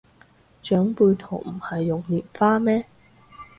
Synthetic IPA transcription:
t͡ʃœː˨˥ŋpuː˧jt̪ʰo̰˨˩wm̩˨˩hɐ˨jːʊ˨ŋliː˨˩nfaː˥mɛː˥

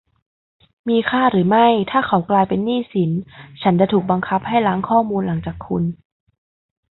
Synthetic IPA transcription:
miː˧kʰaː˥˩ɾɯː˩˦ma˥˩jt̪ʰaː˥˩kʰa˨˦wklaː˧jpe˧nːiː˥˩si˩˦nt͡ɕʰa˦˥nt͡ɕa˧t̪ʰuː˨˩k̚ba˧ŋkʰa˦˥p̚ha˥˩jlaː˦˥ŋkʰɔː˥˩muː˧nla˩˦ŋt͡ɕaː˨˩kʰːu˧n

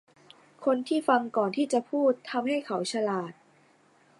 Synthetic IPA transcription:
kʰo˧nt̪ʰiː˥˩fa˧ŋkɔː˨˩nt̪ʰiː˥˩t͡ɕa˨˩pʰuː˥˩t̪ʰːa˧mɦa˥˩jkʰa˩˦wt͡ɕʰa˧laː˨˩t̪̚

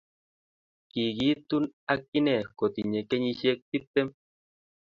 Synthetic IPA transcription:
ki˨ɡi˦t̪u˦na˧kːi˦ne˨ko˨t̪i˨ɲe˨ke˦ɲi˧ʃe˦˧k̚t̪i˦t̪ːe˦m

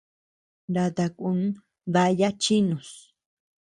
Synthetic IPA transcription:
ɾa˧t̪a˧ku˧n˦ | ða˧ja˦t͡ʃi˦nũ˨s

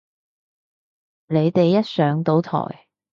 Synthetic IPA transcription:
le˨˧jt̪e˨jːɐ˥t̚sœː˨˥ŋt̪o˨˥wt̪ʰɔ̰ː˨˩j

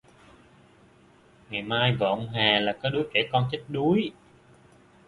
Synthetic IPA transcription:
ŋa˨˩jmaː˧jvə̰ː˧˨ŋ͡mɦaː˨˩laː˨˩kɔː˨˦jɗu˨˦jke˧˩kɔ˧nt͡ɕi˦˥k̟̚ɗu˨˦j

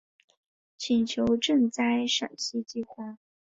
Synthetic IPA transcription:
t͡ɕʰi˨˩nt͡ɕʰjo˧˥ʊʈ͡ʂɤ˥˧ŋt͡sa˥˩ɪʂə̰˨˩nɕi˥t͡ɕi˥˧xwa˥˩

